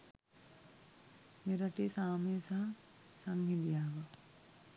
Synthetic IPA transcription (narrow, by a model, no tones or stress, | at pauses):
meɾaʈesaːmesaɦa | saŋɦid̪ijaːʋa